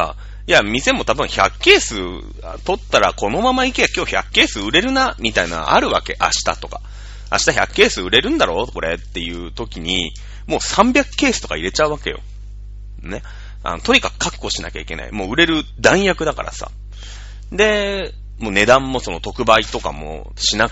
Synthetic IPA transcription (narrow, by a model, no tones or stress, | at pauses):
a̰ | jamʲise̞mo̞t̪abɯ̟̃ɰ̃çakːe̞ːsɨ | t̪o̞t̪ːaɾako̞no̞mamaikeakʲo̞ːçakːe̞ːsɨɯ̟ɾe̞ɾɯ̟namʲit̪aino̰ɡa̰ʔa̰ɾɯ̟βake̞ʔa̰ɕi̥t̪a̰t̪o̞ka | a̰ɕi̥t̪açʲakɯ̟̥kːe̞ːsɨɯ̟ɾe̞ɾɯ̟̃nd̪aɾo̞ːko̞ɾe̞̰t̪ːe̞jɯ̟ːt̪o̞kʲiɲ̟ḭ | mo̞ːsãmbʲjakɯ̥kːe̞ːsɨ̥t̪o̞kaiɾe̞t͡ɕaɯ̟βake̞̰jo̞̰ | ne | a̰no̞t̪o̞ɲ̟ikakɯ̟̥kʰːakɯo̞ɕinakʲa̰ikʲe̞na̰ḭmo̞ːɯ̟ɾe̞ɾɯ̟d̪ãɰ̃jakɯ̟d̪aka̰ɾa̰sa̰ | d̪e̞ | moːne̞d̪ãmːo̞so̞no̞t̪o̞kɯ̟bait̪o̞ka̰mo̰ | ɕina